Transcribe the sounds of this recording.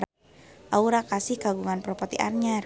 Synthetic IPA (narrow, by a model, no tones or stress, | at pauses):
ʔauɾakasihkaɡuŋanpɾɔpɔt̪iʔa̰rɲar